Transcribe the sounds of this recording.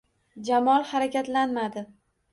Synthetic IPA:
d͡ʒamɒlˠhaɾakʲat̪lanmad̪ɪ

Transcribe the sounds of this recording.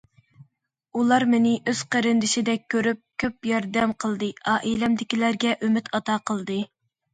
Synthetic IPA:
ulˠɑɾmɪnɪʔøz̥qəɾɪnd̪ɪʃɪd̪ɛk̚ʲʰːøɾyp̚kʲʰøp̚jɑɾd̪ɛmqʰəlˠd̪ɨɑʔelɛmd̪ɪkʲilæɾɡʲɛʔymyt̪ʰɑt̪ɑqʰəlˠd̪ɨ

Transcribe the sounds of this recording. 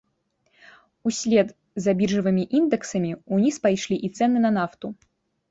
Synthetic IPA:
usʲlʲɛd̪ | zabʲirʐɨvɨmʲiʔind̪ɨksɐmʲiunʲispajʂlʲiʔit̪sɛnɨnɐnaft̪u

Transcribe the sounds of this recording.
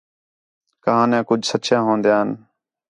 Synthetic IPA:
kəɦãːnɛ̃ːkʊd͡ʒʱsətːʃʰjãːɦõːnd̪jãːən

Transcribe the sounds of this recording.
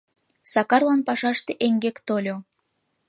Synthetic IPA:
sɑkɑrlɑnpɑʃɑʃt̪eʔeŋɡekt̪olʲo

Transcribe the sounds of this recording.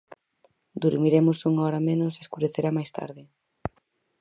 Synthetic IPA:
d̪uɾmiɾemʊsuŋɔɾamenʊseskuɾeθeɾamajst̪a̰ɾðɪ

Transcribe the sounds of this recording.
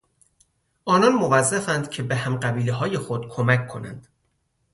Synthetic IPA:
ʔɒːnɒnmovæzːæfænd̪cʰe̞be̞hæmɢæbiːleɦɒːje̞xod̪̥kʰomæcʰːo̞næ̰nd̪̥

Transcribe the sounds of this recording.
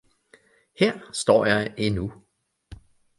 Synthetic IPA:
hɛɐ̰sd̥ɒ̰ːjɑɪenu

